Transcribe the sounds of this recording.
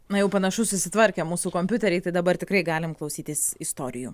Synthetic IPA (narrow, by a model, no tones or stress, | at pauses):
nɐjɛʊpɐnɐʃʊsʊsʲɪt̪ʋɐɾʲkʲɛmuːsuːkoːmʲpʲʊt̪ʲɛɾʲɛɪt̪ɐɪd̪ɐbɐrt̪ʲɪkrɐɪɡɑːlʲɪmklˠɐʊsʲiːt̪ʲɪsɪst̪oːɾʲɪjuː